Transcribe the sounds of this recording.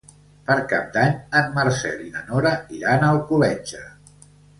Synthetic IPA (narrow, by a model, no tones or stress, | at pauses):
pəɾkap̚d̪aɲəmmaɾsɛ̰linənɔɾəiɾanəlˠkulɛd͡ʒə